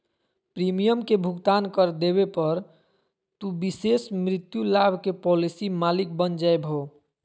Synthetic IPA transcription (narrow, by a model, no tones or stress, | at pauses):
pɾimijəmkebʱuɡt̪ankəɾd̪eβepəɾ | t̪ubisesmɾit̪julabʱkepɔlisimalik̚bənd͡ʒaebʱɦo